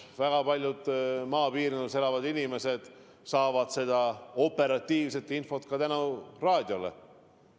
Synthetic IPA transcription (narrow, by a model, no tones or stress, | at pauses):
væɡ̥ɑpɑlʲjud̪̥mɑːpiːɾnuse̞lɑvɑd̪inime̞se̞d̪̥ | sɑːvɑd̪̥se̞d̪̥ɑo̞pːe̞ɾɑt̪ːˑiːvse̞t̪ːˑinfo̞t̪ˑkɑt̪ænurɑːd̪̥ʲjolḛ